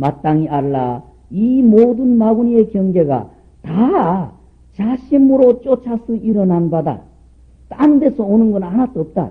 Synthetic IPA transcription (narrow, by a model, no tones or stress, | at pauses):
mat͈aŋiaɭːa | imodɯnmaɡuniekjʌŋɡeɡa̰ | ta | t͡ɕaɕʰimɯɾot͡ɕ͈ot͡ɕʰasʰɯiɾʌnanbada̰ | t͈andesʰʌonɯnɡʌnanat͈oʌp̚t͈a̰